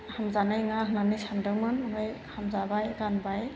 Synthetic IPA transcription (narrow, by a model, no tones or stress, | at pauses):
hamzanajŋaɦɯnanisamdɯŋmɯnnɔjhamzabajɡanbaj